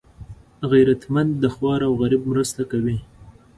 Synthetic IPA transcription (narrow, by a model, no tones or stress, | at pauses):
ɣijɾat̪mand̪dːəxwɑɾawɣaɾib̚mɾəst̪akawi